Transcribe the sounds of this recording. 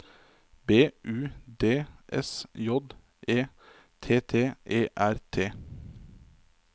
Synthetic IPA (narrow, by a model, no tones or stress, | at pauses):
beːʔʉːd̪eːʔɛ̰sjɔd̪ | ʔeː | t̪ʰeːt̪ʰeːʔeːʔæɾt̪ʰeː